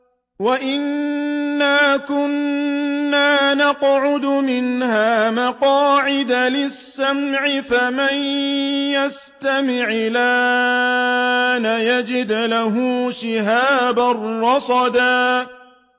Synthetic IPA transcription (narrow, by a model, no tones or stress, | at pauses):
waʔɪnː | aːkʊnː | aːnɑqʕʊd̪ʊmɪnhaːmaqɑːʕɪd̪alɪsːamʕɪfamanjas | t̪amɪʕlaː | najad͡ʒɪd̪laɦʊːʃɪɦaːbarːɑsˤɑd̪aː